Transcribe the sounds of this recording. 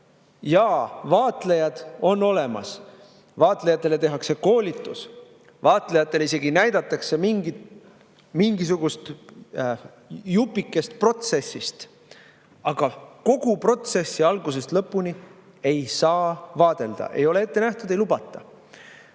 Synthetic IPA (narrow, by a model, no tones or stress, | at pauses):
jɑːvɑːt̪lejɑd̪̥o̞nːo̞le̞mɑ̰s | vɑːt̪ˑlejɑt̪ˑːe̞le̞t̪eɦɑkse̞ko̞ːlʲit̪ːˑus | vɑːt̪lejɑt̪ːˑe̞lise̞ɡinæjd̪̥ɑt̪ːˑɑkse̞miŋɡi | miŋɡis̬uɡ̥ust̪ | jupːˑikːˑe̞st̪̚pro̞t̪se̞sːist̪ | ɑɡ̥ɑko̞ɡ̥upro̞t̪se̞sːiɑlɡus̬e̞st̪lɤpːuni | e̞jsɑːvɑːd̪̥e̞ld̪̥ɑ̰ʔe̞̰jo̞le̞e̞t̪ːe̞næht̪ud̪e̞jlubɑt̪ːˑɑ